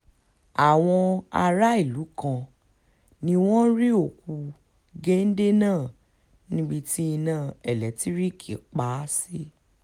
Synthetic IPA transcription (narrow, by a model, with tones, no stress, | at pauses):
a˨w̃ɔ̃˧a˧ɾa˦i˦˨lu˨˦kã˧ | nĩ˧w̃ɔ̃˦ɾi˦o˦˨ku˧ | ɡe˦n̩˦de˦nãː˦˨ | nĩ˦ɡ͡bi˧ti˦i˧nã˨˦˨ɛ˨lɛ˨ti˦ɾi˦kʰi˨k͡pa˨˦si˦